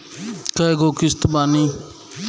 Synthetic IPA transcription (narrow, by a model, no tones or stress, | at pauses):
kɐɡokist̪bani